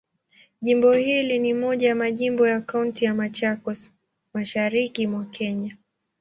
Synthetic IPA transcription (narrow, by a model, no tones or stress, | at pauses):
ʄimbɔhilinimɔʄajamaʄimbɔjakauntijamat͡ʃakɔs | maʃaɾikimwakɛɲa